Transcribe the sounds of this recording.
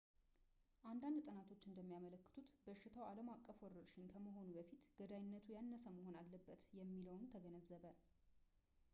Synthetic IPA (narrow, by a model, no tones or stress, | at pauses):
ʔand̪and̪t̪ʼɨnat̪ʰo̞t͡ʃːɨnd̪əmːijamələkːɨ̥t̪ʰut̪bəʃːɪt̪ʰəwaləmakʼːəfwɔɾəɾʃɪnkʰəməɦo̞nubəfit̪ɡ̥əd̪ajɪnːət̪ʰujanːəsəməho̞nalːəbːət̪jɛmːiləwnt̪ʰəɡənəzːəβə